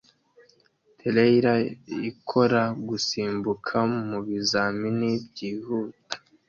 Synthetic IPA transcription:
tʰeleiɾaikʰo̞ɾaɡusiːmbukʰamuβizaːminibɟiːhuːtḁ

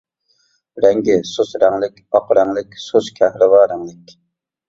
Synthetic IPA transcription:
ɾɛŋɡʲɪsosɾɛŋlˠɪkʲɑqɾɛŋlɪkʲsoskʲʰɛhɾɪvɑːɾɛŋlˠɪkʲ

